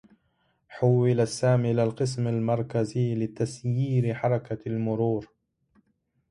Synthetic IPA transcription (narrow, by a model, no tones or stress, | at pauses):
ħʊwːɪlasːaːmiʔɪlalqɨs̬malmɑɾˤkaziːlɪt̪asjiːɾɪħɑɾˤɑkalmʊɾuːɾ